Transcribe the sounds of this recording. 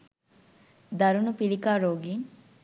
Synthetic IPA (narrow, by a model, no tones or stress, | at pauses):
d̪ɐɾunupilikaːɾoːɡiŋ